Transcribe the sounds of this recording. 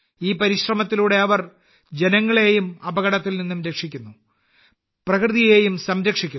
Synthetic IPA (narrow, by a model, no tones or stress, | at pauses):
iːpɐɾiɕrɐmɐt̪ːiluːɽe̞ɐʋɐr | d͡ʑe̞nɐŋːɐɭe̞ːjumɐbɐɣɐɽɐt̪ːilninːumɾe̞kʂikʲːunːu | prɐkrɨðije̞ːjumsɐmɾɐkʂikʲːu